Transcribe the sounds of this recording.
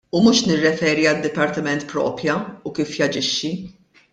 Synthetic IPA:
umuːʃnɪrːɛfɛːɾiɐd̪ːɪpɐɾt̪ɪmɛnt̪pɾɔ̰ːpjɐukiːfjɐd͡ʒɪʃːi

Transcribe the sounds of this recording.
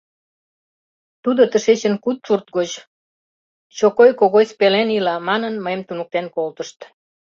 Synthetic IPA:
t̪ud̪ot̪əʃet͡ɕə̆nkut̪̚ʃurt̪̚ɡot͡ɕ | t͡ɕokojkoɣojspelenilɑmɑnənməjemt̪unuk̚t̪enkolt̪əʃt̪

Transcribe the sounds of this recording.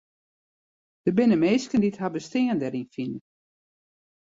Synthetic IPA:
d̥əbɪnəmeːskəndithabəstɪəndɛɾinfin

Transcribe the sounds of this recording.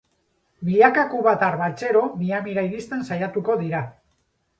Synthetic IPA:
biʎakakuβat̪arβat͡se̞ɾo̞miamiɾaiɾist̪e̞nsajat̪uko̞ðiɾa

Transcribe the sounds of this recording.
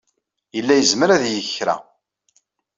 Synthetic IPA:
jəlːæjəzməɾæðjəçɾæ̰

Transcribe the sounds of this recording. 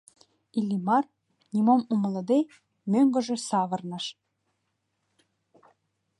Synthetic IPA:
ilʲːimɑr | nʲimomumə̆lɤ̆d̪e | møŋɡə̆ʒĕsɑβɤ̆rnɤ̆ʃ

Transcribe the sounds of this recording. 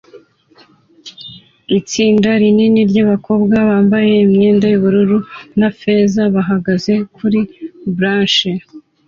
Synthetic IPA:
it͡siːndaɾininiɾɟaβako̞bɡaβaːmbaje̞imɲeːndajuβuɾuɾunafe̞zaβaɦaɡaze̞kʰuɾibɾaːnʃe

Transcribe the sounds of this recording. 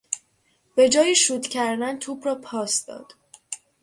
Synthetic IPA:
b̥e̞d͡ʒɒːjiʃuːd̪cʰæɾd̪ænt̪ʰuːbɾɒːpʰɒːsd̪ɒ̰ːd̪̥

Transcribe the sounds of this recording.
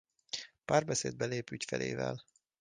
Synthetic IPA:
paːrbɛseːd̪̚bɛleːpycfɛlʔeːvɛl

